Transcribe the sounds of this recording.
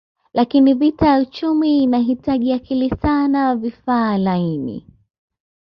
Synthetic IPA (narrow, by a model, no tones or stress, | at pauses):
lʔakinivitajaut͡ʃumiːnaɦitaʄiakilisanawavifaːlainḭ